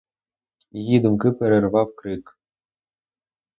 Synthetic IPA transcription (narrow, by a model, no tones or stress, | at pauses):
jid̪ɨ̆mkɨpʲeɾʲervɑwkɾɘk